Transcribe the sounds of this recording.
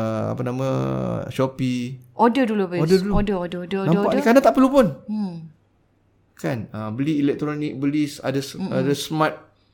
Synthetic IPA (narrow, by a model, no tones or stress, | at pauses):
a̰panãmã̰ʃopiodədulubiodəduluodəodəodənãpaʔkanãt̪aʔpəɾlupʊn | kanəbəliːlɛk̚t̪ɾonik̚bəlisa̰dəsa̰dəsəmãt̪̚